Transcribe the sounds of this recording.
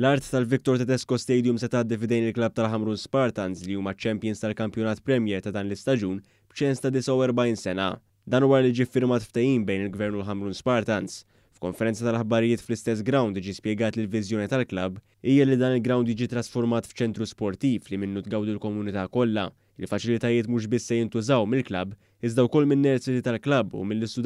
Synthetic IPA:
lɐɾt̪ːɐlvɪk̚t̪ɔɾt̪ɐd̪ɛskɔst̪ɛjd̪jumsɛt̪ɐːd̪ːifd̪ɛjnɪlklɐb̚t̪ɐlħɐmɾuːnspɐɾt̪ɐnsliuːmɐt͡ʃɛmpjɪnst̪ɐlkɐmpjɔnɐːt̪pɾɛmjɛːɾt̪ɐd̪ɐːnlɪst̪ɐd͡ʒuːn | b̥t͡ʃɛnst̪ɐd̪ɪsɐwɛɾbɐiːnsɛnɐ̰ | d̪ɐːnwɐːɾɐlid͡ʒifːɪɾmɐːt̪ft̪ɛjiːmbɛjnɪlɡvɛɾnʊlħɐmɾuːnspɐɾt̪ɐns | fkɔnfɛɾɛnt͡sɐt̪ɐlɐħbɐɾɪjɪːt̪flɪst̪ɛs̬ɡɾɐwnd̪jɪd͡ʒispjɛɡɐːt̪lɪlvɪzjɔːnit̪ɐlklɐb | iːjɐlid̪ɐːnɪlɡɾɐwnd̪jid͡ʒit̪ɾɐsfɔɾmɐːt̪ft͡ʃɛnt̪ɾuspɔɾt̪iːflimɪnːut̪ɡɐwd̪ulkɔmʊnɪt̪ɐːkɔlːɐ̰ | ɪlfɐt͡ʃɪlɪt̪ɐjɪːt̪muːʃ̬bɪsːɛjɪnt̪ʊzɐwmɪlklɐbː | ɪzd̪ɐwkɔlːmɪnːɛɾsɪt̪it̪ɐlklɐbːṵmɪlːɪst̪ʊ

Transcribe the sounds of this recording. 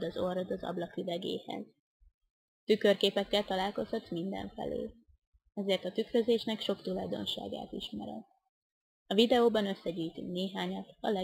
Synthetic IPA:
d̪ɒzorod̪ɒzɒ̰blɒkivɛɡḛːhɛ̰z | t̪ykørkeːpɛkːɛlt̪ɒlaːlko̞shɒt̪mind̪ɛ̰ɱfɛ̰lø̰ːl | ɛzeːrt̪ɒt̪ykrø̞zeːʃnɛkʃo̞kt̪ulɒjd̪o̞̰nʃa̰ːɡa̰ːt̪iʃmɛ̰ɾɛ̰l | ɒvid̪ɛoːbɒnø̞sːɛɟyːjit̪y̰ŋkneːɦaːɲɒt̪ɒ̰lɛ

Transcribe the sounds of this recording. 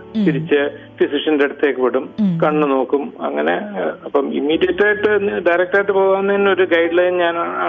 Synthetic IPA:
t̪iɾit͡ɕːɨ | disiʂɐndeɽut̪ːe̞ːkːupːeɽumkɐɳːuno̞ːkːumɐ̰ŋːɐne̞ɐpːɐmḭmːiːɖijɐʈːaːjiʈːɨɖɐjɾek̚ʈaːjiʈːɨpo̞ːɣaːnːɐðinːeo̞ɾuɡɐjɖlɐjnɲaːnaːɳː

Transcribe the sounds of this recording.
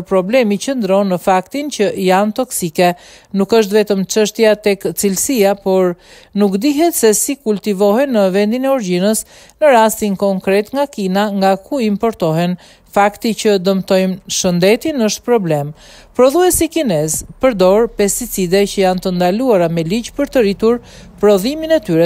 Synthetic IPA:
ɾpɾɔblɛmicənd̪əɾɔnːəfakt̪incəʔjant̪ɔksikɛ | nukəʃ̬t̪vɛt̪əmt͡ʃəʃt̪jat̪ɛkt͡silsiapɔɾ | nukd̪iɦɛt̪sɛsikult̪ivɔɦɛnəvɛnd̪inɛɔɾɟinəs | nəɾast̪inkɔŋkɾɛt̪ŋɡakinaŋɡakuimpɔɾt̪ɔɦɛn | fakt̪icəd̪əmt̪ɔjmʃənd̪ɛt̪inəʃt̪̚pɾɔblɛm | pɾɔðuɛsikinɛzpəɾd̪ɔɾpɛst̪it͡sid̪ɛcəjant̪ənd̪aluaɾamɛliɟpəɾt̪əɾit̪uɾ | pɾɔðiminɛt̪yɾɛ

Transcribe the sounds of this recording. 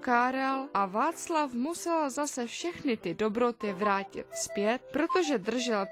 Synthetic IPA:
kaːɾalʔavaːt͡slafmusɛlzasɛfʃɛxnɪt̪ɪdobɾo̞t̪ɪvɾaːcɪ̰t̪spjɛt̪̚pɾo̞t̪o̞ʒɛd̪r̩ʒɛl

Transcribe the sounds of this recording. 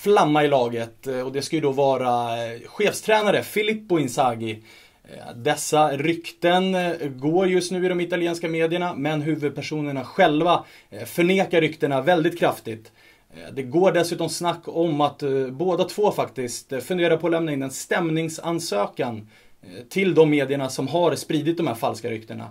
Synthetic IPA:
flamːaɪlɑːɡət̪ɔd̪ɛskajəd̪ɔvɑːɾaɧeːfst̪ʰɾɛːnaɾəfɪlɪpːʊɪnsaɡɪ | d̪ɛsːaɾʏkt̪ənɡoːɾjɵst̪nʉ̟ːɪd̪ɔmɪt̪aljeːnskameːd̪ɪəɳamɛnɦʉ̟ːvɵd̪̚pʰæʂuːnəɳaɧɛlva | fœɳeːkaɾʏkt̪əɳavɛld̪ɪt̪̚kʰɾaft̪ɪt̪ | d̪ɛɡoːɖɛsʉ̟ːt̪ɔmsnakʰːɔmːat̪boːd̪at̪ʰvoːfakt̪ɪskt̪fɵnd̪eːɾapʰɔːlɛmnaɪnːɛnst̪ɛmnɪŋsansøːkan | t̪ʰɪld̪ɔmːeːd̪ɪəɳasɔmɦaɾspɾiːd̪ɪt̪̚d̪ɔmhæ̰ːɾfalskaɾʏ̰kt̪əɳa̰

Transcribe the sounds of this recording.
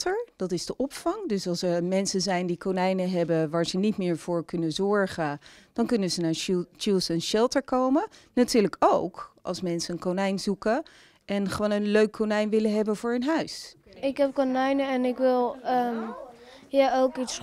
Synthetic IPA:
təɹd̥ɑtɪzdəʔɔpfɑŋdøsɑlˠsəmɛnsəzɛjndikonɛjnəɦɛbəʋaːɹzənitmɪːɹv̥ʊːɹkɵnəzɔɹχəd̥ɑnkønəzənaːt͡ʃilˠsɛnʃɛlˠtəɹkowmənatyːɹləkowkʔɑ̰lˠsmɛnsəənkonɛjnzukə | ʔɛnχəʋoːnənløɥkʰːonɛjnʋɪləɦɛbənvʊːɹɦɵnɦœɥs | ɪkɦɛp̚konɛjnəɛnɪkʋɪlˠə | jaowkits

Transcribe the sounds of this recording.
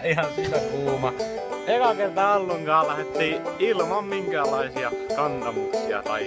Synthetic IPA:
ihɑnsit̪ːækuːmɑ | ekɑkert̪ɑolːoŋkɑːllæhet̪ːiːilmɑmmiŋkæːlːˑɑisiɑkɑnt̪ɑmuksiɑ̰t̪ɑ̰i

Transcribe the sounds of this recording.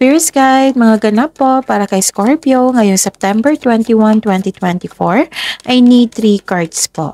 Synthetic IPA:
piɹsɡajd̪̚mɐŋaɡɐnapːo̞paːɾɐkɐjskoɹpjoŋɐjoŋsɛp̚t̪ɛmbɛɹt̪wɛnt̪iwãnt̪wɛnt̪it̪wɛnt̪ifoɹʔɐjnit̪ɾikaɹt̪spo̰ʔ

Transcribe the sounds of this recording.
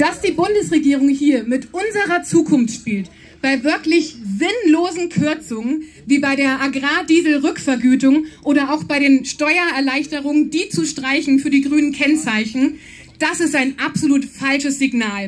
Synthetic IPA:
d̥asd̥iːbʊndəsʁeɡiːʁ̞ʊŋhiːɐmɪtʔʊnzəʁɐt͡suːkʰʊnftʃpiːlt | b̥aɪvɪɐklɪçzɪnloːzn̩kʰʏɐt͡sʊŋən | viːbaɪɾeːɐʔaɡʁaːdiːzl̩ʁʏkfɛɐɡyːtʊŋʔoːɾɐʔaʊxb̥aɪɾeːnʃtɔʏɐɛɐlaɪçtəʁ̞ʊŋəndiːt͡suʃtʁ̥aɪçn̩fyːɐdiːɡʁyːnənkʰɛnt͡saɪçn̩ | d̥asɪstaɪnʔapz̥oluːtfalʃəsz̥iɡnaːl

